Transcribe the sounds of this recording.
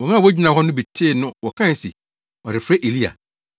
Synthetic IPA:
wɔ˨ŋã˦˨wɔ˦d͡ʑi˦nã˨ɦɔ˦nʊ̃˦bi˨tʰe˦˨nʊ̃˦wɔ˨kʰã˦n̩˨si˨ | ɔ˨ɾɪ˨fɾe˦ʔe˨li˦a̰˨

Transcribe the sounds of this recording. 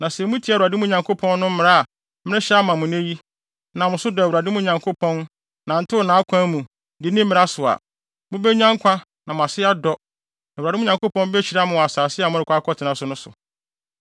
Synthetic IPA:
nã˨sɛ˨mũ˦tʰi˦a˨u˨ɾa˨dɪ˦mũ˦˨ɲã˨ŋkʰo˦pʰɔ̃˦nː˦ʊ̃˦m̩˦mɪ̃˨ɾa˦a˨ | mɪ̃˦ɪ̃˦ɕɛ˦a˦mã˨mʊ̃˨ne˦ji˦ | nã˨mʊ̃˨sʊ˦dɔ˨wu˨ɾa˨dɪ˦mʊ̃˦ɲã˨ŋkʰo˦pʰɔ̃˦n | nã˨n̩˦tʰɪ˦ʊ˨nãː˨˦a˦kʷʰã˦mũ˨ | dɪ˨˦nĩ˦m̩˦mɪ̃˨˦a˦sʊ˨a̰˨ | mʊ̃˦bɛ˦ɲã˦ŋkʷʰa˦ | nã˨mʊ̃˨a˨sɪ˦a˦dɔ˦ | nã˨u˨dɪ̃˦ɲã˨ŋko˦pʰɔ̃˦n˦bɛ˦t͡ɕʰi˨ɾa˦mʊ̃˨a˨saː˨sɪ˦a˨mʊ̃˦ɾɪ˨kʰʷa˦kʰɔ˦tʰɪ˨nã˨sʊ˨nʊ̃˦sʊ̰˨

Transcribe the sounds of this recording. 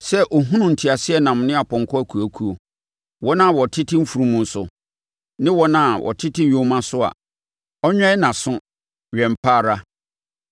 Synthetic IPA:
sɛ˦ʔo˨ɦũ˦nũ˨n̩˨tʰi˨a˨sɪ˦ɛ˦nã˨m˨nɪ̃˦a˨pʰɔ̃˨ŋ˨kʰɔ˦æ˦kʰu˨æ˨kʰu˦o˨ | wɔ˦nã˦˨wɔ˨tʰɪ˦tʰɪ̃˦m̩˦fu˨ɾũ˦mũ˨n̩˦sʊ̰˨ | nɪ̃˦wɔ˦nã˦˨wʔɔ̰˨tʰɪ˦tʰɪ̃˦˨õ˦mã˦sʊ˦a̰˨ | ɔ˦ɲᶣɛ̃˦ɪ˦nã˨sʊ̃˦ | ɥɛ̃˨m̩˨pʰaː˦˨ɾa˦

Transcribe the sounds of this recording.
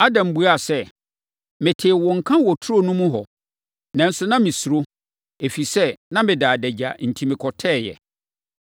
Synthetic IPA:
a˦dã˨m˨bu˨˦a˨sɛ˦ | mɪ̃˨tʰeː˨wɔ̃˨ŋ̩˨kʰã˦wɔ˨tʰu˦ɾo˦nũ˦mũ˦ɦɔ˨ | nã˨n̩˦sʊ˦nã˦mɪ̃˨su˨ɾo˦ | e˨fi˨sɛ˦nã˦mɪ̃˨daː˨dɛ˨d͡ʑa˨n̩˨tʰi˨mɪ̃˨kʰɔ˨tʰɛː˦˨jɛ̰˨

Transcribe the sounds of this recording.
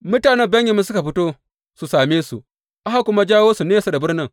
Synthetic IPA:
mʊ˦taː˨ne˦bɐ˦ɲje˨mːi˦sʊ˦ka˨ɸi˦to˦ | su˨saː˨meː˦sṵ˨ | ʔa˦ha˦kʷʊ˦ma˦d͡ʒaː˦woː˦su˨neː˦sa˨da˨bʊ˦ɾnɪ˦ŋ

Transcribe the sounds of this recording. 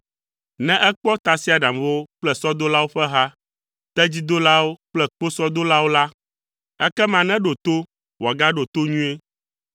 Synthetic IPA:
nɛ̃˦ʔɛ˦k͡pɔ˦t̪a˨si˦a˨ɖa˨mwo˦k͡plɛ˦˨sɔ˦d̪o˦la˦wo˦ɸɛ˦ɦa˦ | t̪ɛ˦d͡ʑi˦d̪o˦la˦wo˦k͡plɛ˦k͡po˦sɔ˦d̪o˦la˦wo˦la˦ | ɛ˦kɛ˦mã˨nɛ̃˦ɖo˨t̪o˦ | wa˨ɡa˦ɖo˨t̪o˦ɲũ˦e˦

